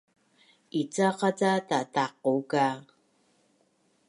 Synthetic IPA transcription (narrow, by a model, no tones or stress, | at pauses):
it͡saqat͡satataquka